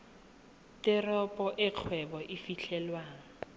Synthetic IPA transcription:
tɪrɔpʼɔʔɪq͡χʰwɛbɔʔɪfiɬʰɛlwaːŋ̩

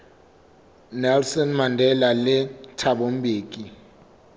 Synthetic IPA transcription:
nɛlsɔnmandʱɛlalɛtʰaɓom̩bʱeːk̬ʼi

